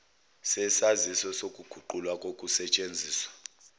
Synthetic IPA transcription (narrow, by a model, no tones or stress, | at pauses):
sɛsazisɔsokʼuɡ̥ʱuǃulwakʼokʼusɛt͡ʃʼend͡zʱiːswḁ